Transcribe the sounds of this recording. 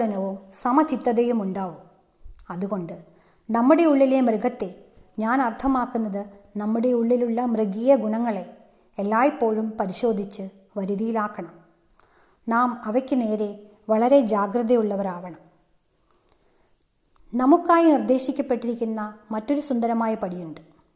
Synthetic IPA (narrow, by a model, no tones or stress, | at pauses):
ɽɐnɐʋumsɐmɐt͡ɕit̪ːɐðejumuɳɖaːʋum | ɐðuɣo̞ɳɖɨ | nɐmːuɽe̞uɭːilemrɨɡɐt̪ːe̞ | ɲaːnɐrt̪ʰɐmaːkːunːɐðɨnɐmːuɽe̞uɭːiluɭːɐmrɨɡiːjɐɡuɳɐŋːɐɭe̞ | elːaːjipːo̞ːɻumpɐɾiɕo̞ːd̪ʱit͡ɕːɨ | ʋɐɾuðijilaːkːɐɳɐm | naːmɐʋɐkʲːɨne̞ːɾe̞ | ʋɐɭɐɾe̞d͡ʑaːɡɾɨðɐjuɭːɐʋɐɾaːʋɐɳɐm | nɐmukːaːjinird̪e̞ːɕikʲːɐpːe̞ʈːiɾikʲːunːɐmɐtːo̞ɾusund̪ɐɾɐmaːjɐpɐɽijuɳɖɨ̥